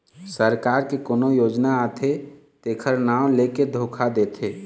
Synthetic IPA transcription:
səɾkaːɾkekoːnojoːd͡ʒnaːt̪ʰe | t̪eːkʰəɾnaːʊ̃leked̪ʱoːkʰad̪et̪ʰe

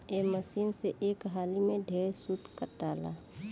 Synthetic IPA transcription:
eːməsiːnseʔeːkɦaːlimẽɖʱeːsud̪kəʈaːla̰ː

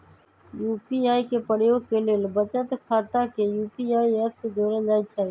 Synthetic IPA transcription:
juːpiaːikepəɾjoːɡkeleːlbət͡ʃət̪kʰaːt̪akejuːpiaːiɛːpsed̪ʱoːɾed͡ʒaːit͡ʃʰaː

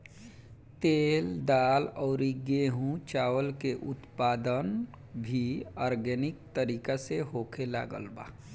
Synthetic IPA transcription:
t̪eːld̪aːlɔːɾiɡeɦũt͡ʃaːwəlkeʔʊt̪paːd̪ən | bʱiaːɾɡɛnɪk̚t̪əɾiːkaseɦoːkʰela̰ːɡə̰lba̰ː

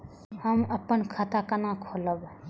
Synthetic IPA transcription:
həməpːənkʰat̪akanakʰoləb

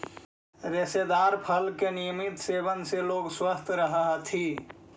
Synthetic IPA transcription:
ɾesed̪aɾpʰəlkenijəmit̪sebənseloɡswəst̪ʰɾəɦəɦt̪ʰi

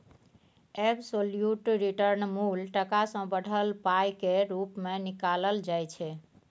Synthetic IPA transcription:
ebsoljuʈɾiʈəɾnmulʈəkasə̃bəɽ̤ʱəlpajkeɾupmenikaləld͡ʒajt͡ʃʰɛ

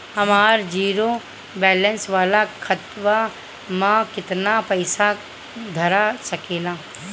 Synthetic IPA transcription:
hɐmaːɾd͡ʒiːɾo | bɛːlənsʋaːlakʰət̪ʋa | mãkɪt̪napəɪsa | d̪ʱɐɾasɐkeːlaː

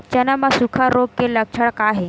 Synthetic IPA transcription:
t͡ɕənamasukʰaɾoɡ̚keləkʂʰəɭkaɦe

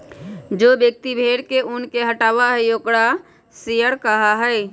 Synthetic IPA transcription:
d͡ʒoːbjək̚t̪ibʱeːɽkeʊnkeɦəʈaːʋaɦɛjoːkɽa | sijəɾkəɦaɦɛː

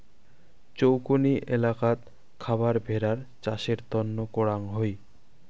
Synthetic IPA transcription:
t͡ɕowkoniʔelakat̪ | kʰabaɾbʱeɾaɾt͡ɕaʃeɾt̪ɔnːokoɽaŋɦoj

